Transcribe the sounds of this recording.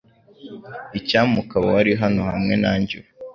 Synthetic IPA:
icaːmukaβowaɾiɦano̞hamŋe̞naːɲɟuɾ

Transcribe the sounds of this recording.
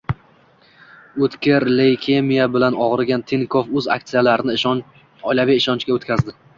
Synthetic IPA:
ɵt̪kʲɪɾlejkʲʰemijabɪlanɒʁɨɾɡʲant̪ʰeŋkʰofɵza̰k̚t̪sijalaɾɪnɪ | ɒjlavijɪʃɒnt͡ʃkʲaot̪kʲʰazd̪ɪ

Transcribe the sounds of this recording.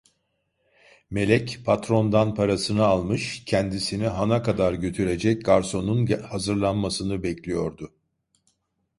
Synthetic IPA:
me̞lʲɛcpʰat̪ɾo̞nd̪anpʰaɾasɯnɯalˠmɯʃcʰɛnd̪isiniɦanakʰad̪aɾɟø̞t̪ʰyɾe̞d͡ʒɛc̚ɡaɾso̞nunhazɯɾlˠanmasɯnɯbɛclʲijo̞ɾd̪ʊ

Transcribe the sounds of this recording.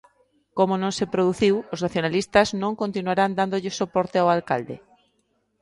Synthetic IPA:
komonõŋsepɾoðuθiwoznaθjonalist̪aznõŋkont̪inuaɾand̪and̪oʎɪsopoɾt̪eawalkald̪ḛ

